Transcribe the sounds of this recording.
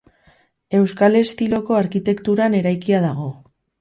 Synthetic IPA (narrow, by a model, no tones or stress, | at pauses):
e̞wskale̞st̪ilo̞ko̞aɾkit̪e̞kt̪uɾane̞ɾajkiaðaɣ̞o̞